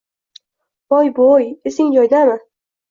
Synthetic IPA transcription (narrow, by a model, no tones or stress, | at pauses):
ɒjbojesɪŋd͡ʒɒjd̪amɪ